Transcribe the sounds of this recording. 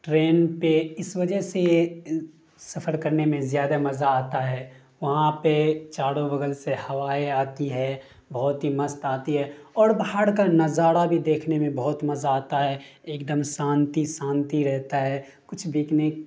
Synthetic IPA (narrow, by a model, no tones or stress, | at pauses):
ʈɾeːnpeɪsʋɐd͡ʒəɦse | sɐpʰəɾkəɾnemẽzjaːd̪amɐzaaːt̪aɦɛː | ʋɐɦãpet͡ʃaːɽõbəɡəlsehɐʋaːeaːt̪iɦɛ | bɔːt̪ɦimɐst̪aːt̪iɦɛɔːɾbaɦaɽkanɐzaːɽabʱid̪eːkʰnemẽbɔɦːʊt̪mɐzaaːt̪aɦɛːeːk̚d̪əmsãːnt̪isãːnt̪iɾɛɦt̪aɦɛː | kʊt͡ʃʰbɪːknek